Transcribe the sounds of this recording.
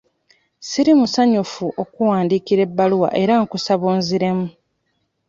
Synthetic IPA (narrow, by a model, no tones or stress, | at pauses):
siɾimusaɲufuʔo̞kuwaːndiːkiɾe̞bːaluwa̰ʔe̞ɾaŋkusaβuːnziɾe̞mu